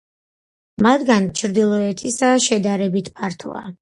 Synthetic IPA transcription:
mat̪ɡant͡ʃʰɾd̪ilˠɔɛt̪ʰisaʃɛd̪aɾɛbit̪ʰpʰaɾt̪ʰɔ̰a̰

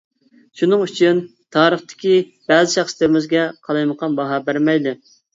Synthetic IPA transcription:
ʃunɨŋyt͡ʃʰyn | t̪ʰɑːɾəχt̪ɪ̥kʲi | bɛzɪʃɛχslɪɾɪmɪzɡʲɛqʰɑlˠɑjməqʰɑnbɑɦɑbæɾmɛjd̪ɪ

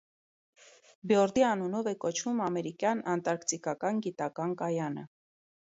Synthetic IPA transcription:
bjɔɾd̪iɑnunɔvɛkɔt͡ʃʰvumɑmɛɾikjɑnɑnt̪ɑɾkt͡sikɑkɑnɡit̪ɑkɑnkɑjɑnə̰

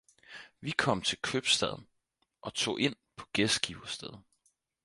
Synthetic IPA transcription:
ʋikʰɒ̽m̰t͡sʰe̝lkʰøb̥sd̥ɛð̞̰ˠn̩ | ʔɒ̽t͡sʰo̝̰ːʔe̝n̰pʰɒ̥̽ɡ̥esɡ̥iʊ̥ɐsd̥eð̞ˠ

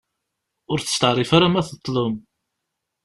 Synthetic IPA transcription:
ʊɾθə̥st̪əʕrˤːifaɾamæθət̪ˤːlom

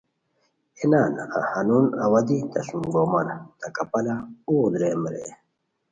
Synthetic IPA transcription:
enaːna̰hanunawɐd̪it̪ɐsumɡomɐnat̪akɐpɐlaud̪ɾeːmɾḛ

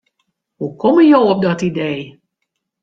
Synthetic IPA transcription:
hukɔməjowɔp̚dɑtidej

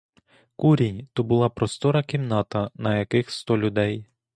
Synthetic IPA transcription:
kuɾʲinʲt̪ɔbʊlˠɑpɾɔst̪ɔɾɐkʲimnɑt̪ɐnɐjɐkɪxst̪ɔlʲʊd̪ɛj

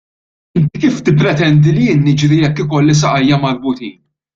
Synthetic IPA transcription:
ɪnt̪ikiːft̪ɪpːɾɛt̪ɛnd̪ilijɪːnːɪd͡ʒɾijɛkːɪkɔlːis̬ɐʔɐjːɐmɐɾbʊt̪iːn

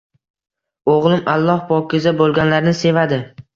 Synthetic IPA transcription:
oʁlˠɪmalˠːɒhpʰɒkʲɪzabolˠɡʲanlaɾnɪse̞vad̪ɪ

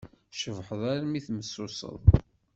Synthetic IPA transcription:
ʃəvħəðˤaɾmiθməsːʊsə̰ðˤ

